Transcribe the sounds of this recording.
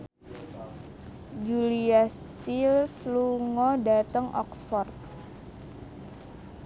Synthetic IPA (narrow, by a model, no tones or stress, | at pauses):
d͡ʒuliast̪ilsluŋɔdat̪əŋʔɔ̰ksfɔrt̪̚